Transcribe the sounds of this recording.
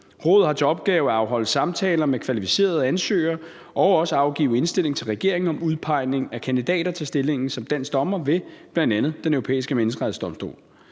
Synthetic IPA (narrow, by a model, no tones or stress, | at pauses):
ʁɔːð̞ˠhɑ̈t͡sʰe̝ɒ̽b̥̚ɡ̥ɛːʊæɑ̈ʊɦɒ̽l̰̩ˠsɑ̈mt͡sʰɛːlɐmekʰʋælifi̥se̝̰ːɐð̞̩ˠænsø̰ːɐ | ɒ̽ʊɒ̽səɑ̈ʊɡ̥ḭːʊe̝nsd̥e̝l̰e̝ŋt͡sʰe̝lʁɛɡ̥e̝ɐ̰eŋn̩ɒ̽muð̞ˠpʰɑ̈ɪne̝ŋækʰænd̥id̥ɛ̰ːɾɐt͡sʰe̝lsd̥e̝le̝ŋn̩sɒ̽md̥æn̰sd̥ɒ̽mɐʋe̝b̥lænd̥ænð̞̩ˠd̥enœʊʁo̝pḛːisɡ̥əmenəsɡ̥ʁɛðˠsd̥ɒ̽msd̥o̝̰ːl